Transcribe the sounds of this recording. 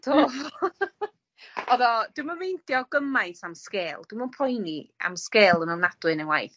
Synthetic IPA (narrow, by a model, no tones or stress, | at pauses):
tʰov | ɔðɔd̥uməmejndjɔɡəmajsamskeːlˠd̥ɪməpʰɔjnia̰mskeːlˠənɔwnad̥wɨnənwa̰jθ